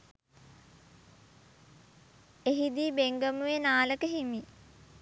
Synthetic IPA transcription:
eɦid̪iːbeŋɡəmuʋenaːləkəɦimi

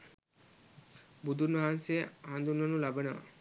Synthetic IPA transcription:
bud̪uɾnoɦanseand̪uɾnonulabena̰

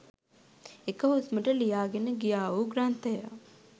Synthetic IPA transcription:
ekəɦusməʈəlijaːɡenəɡijaːuːɡɾaːnt̪eja

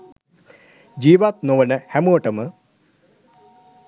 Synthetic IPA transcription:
d͡ʒiːʋat̪̚noʋənəhæmoːʈəmə

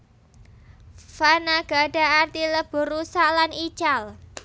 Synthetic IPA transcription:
fanaɡ̥a̤ɖa̤art̪iləb̥ʊ̤rusalanit͡ʃal

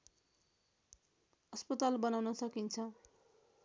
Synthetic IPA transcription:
ʌspʌt̪albʌnawnʌsʌkint͡sʰʌ

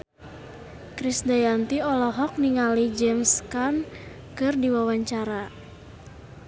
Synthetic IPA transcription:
kɾisdajant̪iɔlɔɦɔk̚niŋalid͡ʒɛmskan | kɨrdiwawaɲt͡ʃaɾa

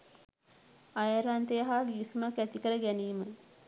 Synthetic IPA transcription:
ajaɾant̪ejəɦaːɡiːsumakːæt̪ikəɾəɡæniːmə

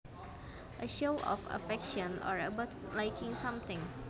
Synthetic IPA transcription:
ʔəʃoʔɔ̰fə̰fɛkʃɔ̃nɔ̰ɹəbʊtlajkʰɪ̃ŋsãmt̪ɪ̃ŋ

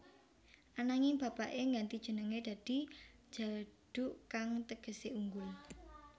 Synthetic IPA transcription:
ʔanaŋɪŋb̥ä̤paʔeŋɡant̪id̥ʒ̥ə̤nəŋed̪̥a̤d̪̥i̤̥ | ʒ̥a̤ɖ̥ṳʔkaŋt̪əɡ̥ə̤seʔuŋɡʊl

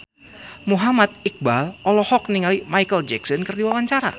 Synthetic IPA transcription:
muɦamat̪̚ik̚balɔlɔhɔkniŋalimajkəld͡ʒɛksɔnkərdiwawaɲt͡ʃaɾa̰

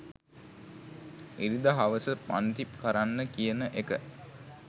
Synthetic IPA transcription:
iɾid̪əɦaʋəsəpa̰nt̪ipkəɾanːəkijənəʔekə

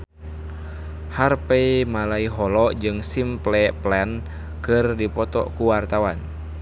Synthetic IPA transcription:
harpɛmalaiɦɔlɔʔd͡ʒɨŋsimplɛplɛn | kɨrdipɔt̪ɔ̰kuwart̪awan

